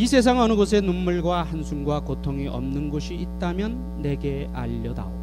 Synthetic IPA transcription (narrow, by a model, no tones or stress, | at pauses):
isʰe̞s̬ʰaŋʌnɯɡosʰe̞nunmuɭɡwahansʰuŋɡwakotʰoŋiʔʌmnɯnɡoɕʰiːt̚t͈amjʌnːe̞ɡe | a̰ʎːʌda̰o